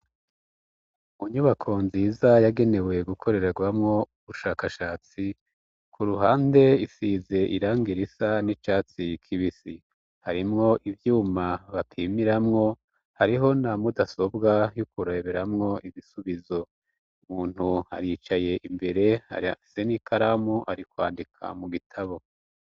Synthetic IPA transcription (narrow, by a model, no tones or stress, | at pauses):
uɲuβakʰo̞nziːzajaɡe̞ne̞we̞ɡukʰo̞ɾe̞ɾaɡwamŋo̞uβuʃaːkaʃaːt͡si | kʰuɾuɦaːnde̞isize̞ʔiɾaːŋɡiɾisanit͡ʃaːt͡sikʰiβisi | haɾimŋo̞ʔivjuːmaβapʰiːmiɾamŋo̞ | haɾiɦo̞namudaso̞bɡajukuɾeβeɾamŋo̞ʔiβisuβizo̞ | umuːn̥huha̰ɾit͡ʃaje̞ʔimbe̞ɾe̞ha̰ia̰fi̥senikʰaɾamuʔaɾikwa̰ːndikʰa̰muɡitʰaβo̞